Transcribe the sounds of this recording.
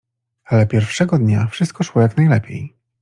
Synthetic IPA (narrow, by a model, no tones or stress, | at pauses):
alɛpʲjɛɾfʂɛɡɔd̪ɲafʂɘst̪̚kɔʂwɔjaknajlɛpʲjḛj